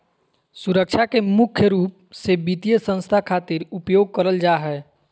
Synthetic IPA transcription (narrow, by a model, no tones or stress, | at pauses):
suɾək̚t͡ʃʰakemʊkʰjəɾuːp̚ | sebit̪ijəsə̃nst̪ʰakʰaːt̪iɾupjoːɡ̚kəɾəld͡ʒaːɦɛː